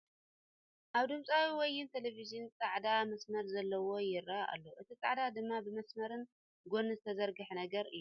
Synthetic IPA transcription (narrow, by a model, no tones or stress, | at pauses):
ʔaβd̪ɨmt͡sʼawiwɔjːɪnt̪ʰelevizɨnt͡sʼaʕd̪amɐsmɐɾzɐlːɐwo̞jɪɾaʔa̰lːoʔɨt̪ʰit͡sʼaʕd̪ad̪ɨmːabɨmɐsmɐɾɨn | ɡo̞nːɨzɨt̪ʰɐzɐɾɡɨħnɐɡɐɾʔɨjːuu